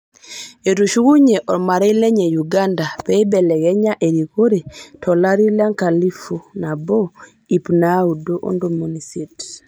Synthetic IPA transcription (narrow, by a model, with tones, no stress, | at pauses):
e˨tuʃu˦ɣu˦ɲe˨ʔɔ˨ɾma˨ɾɛ˦i˦lɛ˦ɲe˨juɡanda˨pɛ˦i˦bɛ˨lɛ˨ɣɛ˦ɲa˦ʔe˨ɾiko˦ɾe˨tʰɔ˨la˦ɾi˦la˦ŋka˨li˦fu˨na˨bo | i˨pnaudoʔo̰˦ndo˨monisit